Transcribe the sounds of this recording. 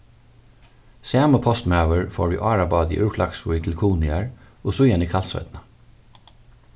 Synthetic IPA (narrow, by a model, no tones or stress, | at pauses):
seɛːməpʰɔst̪mɑəɹfo̰ːɹʋḭːʔɑːɹɑbɑːd̪ḭːʔʉːɹkʰlɑksuːɪt̪ʰɪlkʰuːnɪæɹ | oːsʊjɛniːkʰɑlsœ̰ʏd̪nə